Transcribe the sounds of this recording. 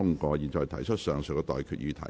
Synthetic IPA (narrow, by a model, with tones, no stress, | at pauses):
ʊ˥ŋkɔː˧jiː˨nt͡sɔː˨˩t̪ʰɐ˨˩jt͡ʃʰə˥t̚sœː˨˩ŋsœ˨kɛ˧t̪ɔ̰ː˨jkʰyː˨t̚jyː˧t̪ʰɐ̰˨˩